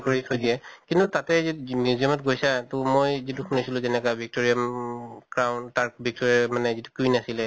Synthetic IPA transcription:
koɹisʰodiɛkintutatɛzimjuziɔmɔt̚ɡojsatʊmojzitukʰunisilʊ̃zɛnɛkabʱik̚toɹiamkɹawntaɹbʱik̚toɹiamanɛzitu̥kinasilɛ

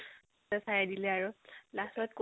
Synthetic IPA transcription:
asajadilɛaɹulasɔtk

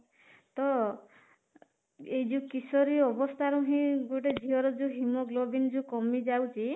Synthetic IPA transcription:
t̪ɔ | ejd͡ʒukisɔɾiɔbɔst̪ʰaɾũɦĩɡoʈed͡ʒʱiɦɔɾɔd͡ʒuɦimɔɡlobind͡ʒukɔmid͡ʒawt͡ʃʰi

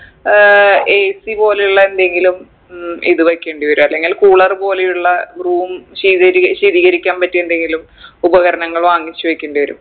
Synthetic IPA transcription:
eːsipo̞ːlejuɭːɐe̞nd̪e̞ŋɡilum | ḭðɨʋɐkːe̞ːɳɖiʋɐɾumɐlːe̞ŋɡilkuːɭɐrpo̞ːle̞juɭːɐɡruːmɕiːðɐɾiɕiːðiːɣɐɾikʲːaːnpɐtːuend̪e̞ŋɡilum | ubɐɣɐɾɐɳɐŋːɐɭʋaːŋːit͡ɕːuʋɐkʲːeːɳɖiʋɐɾṵm

